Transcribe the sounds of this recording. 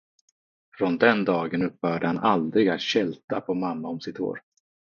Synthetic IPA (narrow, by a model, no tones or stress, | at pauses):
fɾɔnd̪ɛnd̪ɑːɡənɵpːhœːɖəhanʔald̪ɾɪɡat̪ɕɛlt̪apʰɔmamːaɔmsɪt̪ʰo̰ːɾ